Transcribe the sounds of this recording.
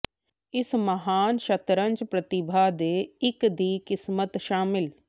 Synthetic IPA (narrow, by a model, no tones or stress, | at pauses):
ɪsmɐɦaːnʃɐt̪ɾə̃ɲd͡ʒpɾɐt̪ɪbʱad̪eːɪkd̪iːkɪsmət̪ʃaːmɪl